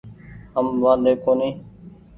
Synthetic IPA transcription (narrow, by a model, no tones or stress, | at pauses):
əmʋãːd̪eːkoːnĩː